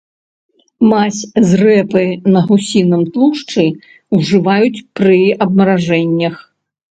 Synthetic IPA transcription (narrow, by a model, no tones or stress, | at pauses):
masʲzrɛpɨnɐɦusʲinɐmt̪lˠuʂt͡ʂɨ | wʐɨvajut͡sʲpɾɨɐb̚mɐɾaʐɛnʲːɐx